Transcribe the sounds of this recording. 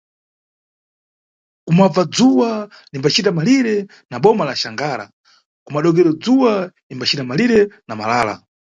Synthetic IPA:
kumab͡vad͡zuwa | nimbat͡ʃitamaliɾɛ | naɓɔmalaʃaŋɡaːɾa̰ | kumaɗɔɡɛɾɔd͡zuwa | imbat͡ʃʰitamaliɾɛnama̰laːla̰

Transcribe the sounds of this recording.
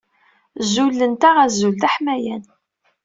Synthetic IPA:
zulːənt̪aʁæzult̪æħmæjæn

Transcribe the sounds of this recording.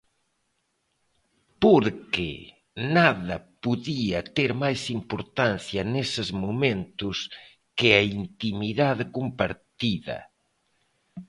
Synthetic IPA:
poɾkḛ | naðɐpuðiɐt̪eɾmajsimpoɾt̪anθjɐnesɪzmomẽnt̪ʊs | kɪaint̪imiðaðkumpaɾt̪iðɐ̰

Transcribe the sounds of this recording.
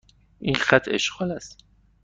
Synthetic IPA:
ʔiːnxæt̪ʰe̞̰ʃɢɒːlæst̪

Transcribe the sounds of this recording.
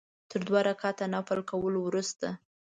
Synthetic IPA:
t̪əɾd̪wɑɾakɑt̪anapalkawəlowɾust̪a

